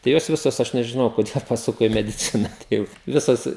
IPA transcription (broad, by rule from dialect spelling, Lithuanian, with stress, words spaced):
tɐɪ ˈjoːs ˈʋʲɪsoːs ˈɐʃ nʲɛʒʲɪˈnɐʊ koːˈdʲeːlˠ pɐˈsʊkoː iː mʲɛdʲɪˈt͡sʲɪnɐ ˈtʲɛɪp ˈʋʲɪsɐs